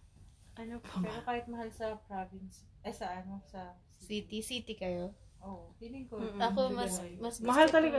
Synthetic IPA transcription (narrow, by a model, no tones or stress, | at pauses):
ʔɐnopopɛːɾokaːhɪt̪̚mɐɦalsɐpɾavɪns | ʔɛsɐʔɐnosɐ | siːt̪isiːt̪ɪkɐjo | ʔoːʔohiːlɪŋkoɐkomɐsmɐsmɐɦalt̪ɐlɐɡa